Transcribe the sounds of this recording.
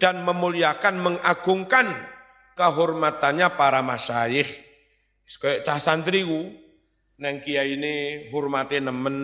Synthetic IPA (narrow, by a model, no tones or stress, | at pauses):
d̥anməmuliakanməŋaɡ̥uŋkan | kəɦɔrmat̪anɲapaɾamasajɪh | skɔjɔʔt͡ʃahsant̪ɾiku | nɛŋkijaineɦɔrmat̪enəmən